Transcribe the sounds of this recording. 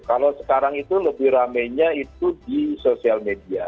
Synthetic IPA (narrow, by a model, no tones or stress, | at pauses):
kalosə̥kaɾaŋit̪uləbɪhramɛjɲaitt̪udisosialmedia